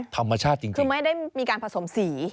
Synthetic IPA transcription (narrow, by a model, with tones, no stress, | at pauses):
t̪ʰa˧mːa˧t͡ɕʰaː˥˩t̪̚t͡ɕi˧ŋʰɯ˧ma˥˩jda˥˩jmiː˧kaː˧npʰa˧so˩˦msiː˩˦